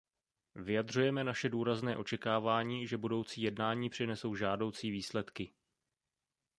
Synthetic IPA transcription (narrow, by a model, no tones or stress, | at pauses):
vɪjadr̝ujɛmɛnaʃɛduːɾaznɛːʔo̞t͡ʃɛkaːvaːɲiːʒɛbudo̞wt͡siːjɛdnaːɲiːpr̥ɪnɛso̞wʒaːdo̞wt͡siːviːslɛt̪kɪ